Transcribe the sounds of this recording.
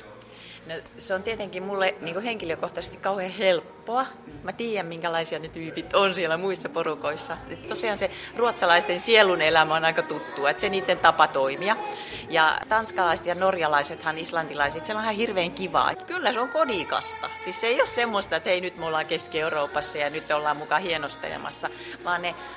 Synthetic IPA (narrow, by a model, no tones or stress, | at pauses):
noseont̪iet̪eŋkimmulːeniːŋkoheŋkiløkoht̪ɑse̥st̪ikɑuheːhelpːoɑmæt̪iːjæmmiŋkælɑisiɑnet̪yːpit̪onsielæmuisːɑporukoisːɑet̪t̪osiɑːnseruot̪sɑlɑist̪ensielːˑunelæmæonɑikɑt̪ut̪ːuɑet̪seniːt̪ːent̪ɑpɑt̪oimiɑ | jɑ̰t̪ɑnskɑlɑise̥t̪jɑnorjɑlɑiset̪hɑnislɑnt̪ilɑiset̪selonɑhɑhirʋeːŋkiʋɑ̰ːḛt̪kylːæseoŋkodikɑ̰st̪ɑ̰siːsseiossemːost̪ɑet̪heinyt̪meolːɑːkeskieuroupɑsːɑjɑnyt̪ːolːɑːmmukɑhienost̪ḛlḛmɑ̰sːɑ | ʋɑːnne